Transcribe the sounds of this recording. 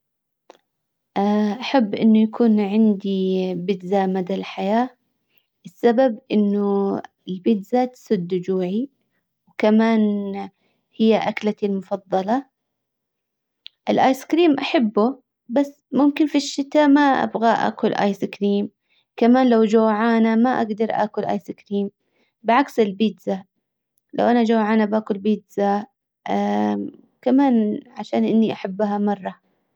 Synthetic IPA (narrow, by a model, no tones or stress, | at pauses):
ʔaʔaħabːʔɪ̰nːʊjakʰuːnʕɪnd̪ibɪt̪zamad̪alħajaː | ʔɪsːababʔɪnːʊ | ɪlbɪt̪zat̪sˤɨd̪ːd͡ʒuːʕi | wkamaːn | hɪjːaʔaklat̪ɪlmʊfɑðˤːɑlɑ | ʔɪlʔaːjskɾiːmʔaħabːʊ | basːmʊmkɪnfiʃːɪt̪aːmaʔa̰bɣaʔa̰ːkʊlʔa̰jsɪkɾiːm | kamaːnlawd͡ʒawːʕaːnamaʔa̰ɡd̪ɑɾˤʔa̰ːkʊlʔa̰ːjsɪkɾiːm | bɪʕaksɪlbiːd̪za | la̰wʔanad͡ʒawːʕaːnabaːkʊlbiːd̪za | kamaːnʕaʃaːnʔɪnːiʔaħabːɦamɑrˤːɑ